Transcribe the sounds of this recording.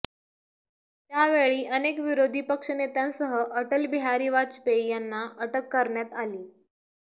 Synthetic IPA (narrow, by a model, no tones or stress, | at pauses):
t̪jaʋeɭiːʔənekʋiɾod̪ʱiːpəkʂənet̪ansəɦəʔəʈəlbiɦaɾiːʋat͡ɕpejanːaəʈəkːəɾɳjat̪aliː